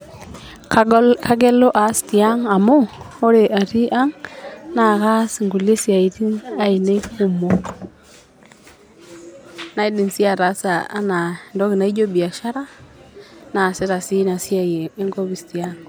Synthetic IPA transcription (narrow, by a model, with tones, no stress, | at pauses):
kka˦ɡe˦lo˦ʔa˨˦sti˨a˦ŋa˨mo˦ | o˦ɾe˨ʔa˨ɾi˦ʔa˦ŋna˨ka˦sŋɡu˨le˦si˨a˨i˨ti˦na˦i˨ne˦ku˦mo˨ | na˦i˦di˨nsi˦a˦˨ɾa˨˦saː˨˦na˨ndɔ˦ɡi˨na˦i˦d͡ʒo˦bi˨a˨ʃa˦ɾa˦ | na˨se˦ɾa˨si˦na˨si˦a˨jeː˨˦ŋɡo˦bi˨sti˨a˦ŋ